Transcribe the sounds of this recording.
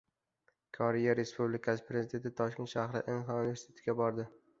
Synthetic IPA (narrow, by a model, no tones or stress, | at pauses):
kʰɒɾijaɾe̞spublɪkʰasɪ̥pɾezɪd̪e̞nt̪ʰɪt̪ʰɒʃkʲe̞nt̪ʃahɾɪ̰ʔɪnhɑunɪve̞ɾsɪ̥t̪ʰe̞t̪ʰɪɡʲabɒɾd̪ɪ